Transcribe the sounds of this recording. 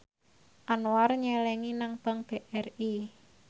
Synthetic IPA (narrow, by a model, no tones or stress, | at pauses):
ʔanowarɲɛlɛŋinaŋpaŋb̥eʔɛri